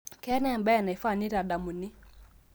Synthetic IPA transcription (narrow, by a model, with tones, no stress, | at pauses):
kɛ˦nɛ˦˨mbɛ˦˨na˨i˦fa˦˨ni˦ɾa˨da˨mu˨ni˦